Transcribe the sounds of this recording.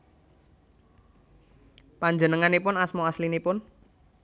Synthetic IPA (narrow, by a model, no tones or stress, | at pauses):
paɲd͡ʒənəŋanipʊnasmoaslinipʊn